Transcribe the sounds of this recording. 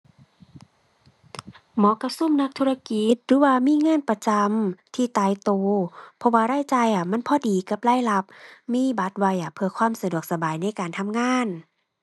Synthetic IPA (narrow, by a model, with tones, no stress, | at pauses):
mɔː˨˦ka˧su˧˥˨mna˧˥k̚t̪ʰu˧ɾa˧ki˧t̪̚dɯː˧˦waː˧miː˧˥˨ŋaː˧˥˨npa˧t͡ɕa˧mt̪ʰiː˧˩t̪aː˧˨jt̪oː˨˩pʰɔ˧waː˧ɾaː˧˥˨jt͡ɕa˧˨jʔa˧˩ma˧˥˨npʰɔː˧˨diː˨ka˧˦p̚laː˧˥˨jla˧p̚miː˧˥˨ba˧˦t̪̚wa˧jʔa˧˩pʰɯ˧kʰwaː˧˥˨msa˧du˨˩ək̚sa˧baː˨˩jna˧˥˨jkaː˨nt̪ʰa˧˥˨mŋaː˧˥˨n